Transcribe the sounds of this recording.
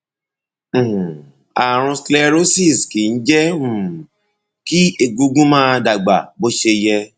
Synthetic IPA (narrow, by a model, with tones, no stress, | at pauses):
a˨ɾ̃ũ˧slɛ˧ɾo˦si˦˨ski˨n̩˦d͡ʒɛ˦ũ˦˨ | ki˦e˧ɡu˧ɡũ˦mãː˦˧da˨ɡ͡ba̰˨bo˦ʃe˧jɛ˧